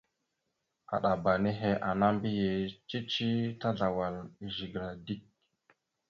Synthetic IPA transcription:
a̰˨ɗa˨ba˨ne˦ɦe˦ʔa˨na˦mbi˦je˨t͡ʃi˦t͡ʃi˦ta˦ɮa˨wa˨li˨ʒi˨ɡɾa˨di˦k̚

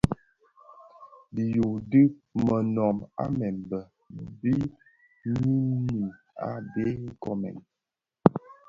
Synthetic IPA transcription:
bi˨ju˨dɨ˦mə˨nɔ˨ma̰˦mɛ˨mbə˨ | bi˦ | mi˦ni˨ | a̰˦be˦ŋ˦kɔ˦˨mɛ̰˨n

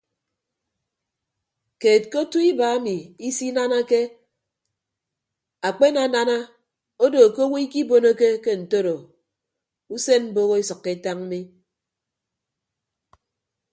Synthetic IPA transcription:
keː˨t̚ko˦tu˦i˦ba˨a˦mi˨i˦si˦na˦na˦ke˦ | a˨k͡pe˦na˨na˦na˦ | o˦do˨ko˦wi˦i˦ki˦bo˨no˦ke˦ke˦n̩˨to˦ɾo˨ | u˦se˦nm̩˦bo˦ɣo˦e˦sʌ˨kːe˦ta˦ŋm̩˦mi˦

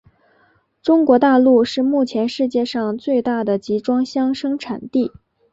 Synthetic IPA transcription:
ʈ͡ʂʊ˥ŋkwɔ˧˥t̪a˥˧lu˥˧ʂɻ̩˥˧mu˥˩t͡ɕʰjɛ˧˥nʂɻ̩˥˧t͡ɕjɛ˥˧ʂɑ˥˧ŋt͡swe˥˧ɪt̪a˥˩d̪ə˩t͡ɕi˧˥ʈ͡ʂwɑ˥ŋɕjɑ˥ŋʂɤ˥ŋʈ͡ʂʰa˨˩nt̪i˥˩

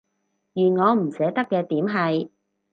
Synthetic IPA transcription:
jyː˨˩nŋɔː˨˧m̩˨˩sɛː˨˥t̪ɐ˥kːɛː˧t̪iː˨˥mɦɐ˨j

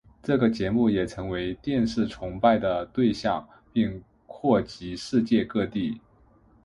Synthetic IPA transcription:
ʈ͡ʂɤ˥˩ɡə˩t͡ɕjɛ˧˥mu˥˩jɛ˨˩ʈ͡ʂʰɤ˧˥ŋwe˧˥ɪt̪jɛ˥˧nʂɻ̩˥˩ʈ͡ʂʰʊ˧˥ŋpa˥˩ɪd̪ə˩t̪we˥˧ɪɕjɑ˥˧ŋ | pi˥˧ŋ | kʰwɔ˥˩t͡ɕi˧˥ʂɻ̩˥˧t͡ɕjɛ˥˧kɤ˥˧t̪i˥˩

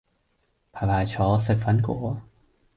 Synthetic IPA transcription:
pʰa˧laː˧˩t͡ɕʰɔː˨˧˦sə˧˩k̚fa˧˦nkṵ˨˦

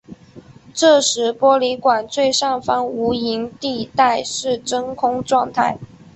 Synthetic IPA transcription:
ʈ͡ʂɤ˥˩ʂɻ̩˧˥pwɔ˥li˧˥kwa˨˩nt͡swe˥˧ɪʂɑ˥˩ŋfɑ˥ŋu˧˥i˧˥ŋt̪i˥˧t̪a˥˧ɪʂɻ̩˥˩ʈ͡ʂɤ˥ŋkʰʊ˥ŋʈ͡ʂwɑ˥˧ŋt̪ʰa˥˩ɪ

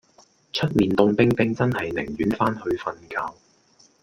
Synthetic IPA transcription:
t͡ʃʰɵ˥t̚miː˨nt̪ʊ˧ŋpɪ˥ŋpɪ˥ŋt͡sɐ˥nhɐ˨jnɪ̰˨˩ŋjyː˨˥nfaː˥nhɵ˧ɥfɐ˧nkaː˧w

